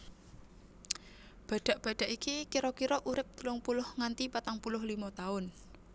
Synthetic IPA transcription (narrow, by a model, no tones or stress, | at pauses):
b̥ä̤ɖ̪̥a̤ʔb̥a̤ɖ̥a̤ʔikikiɾɔkiɾɔʔuɾɪp̚t̪əlʊŋpulʊhŋant̪ipat̪aŋpulʊhlimat̪aʊn